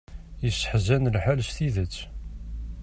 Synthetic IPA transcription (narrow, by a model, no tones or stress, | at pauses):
jəsːħzːænlħalsθiðət͡sː